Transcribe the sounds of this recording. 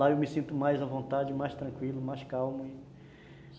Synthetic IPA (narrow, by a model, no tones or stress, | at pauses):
aewmɪsĩnt̪ʊmajzɐvõnt̪ad͡ʒɪmajst̪ɾɐ̃ŋkwilʊmajskawmʊɪ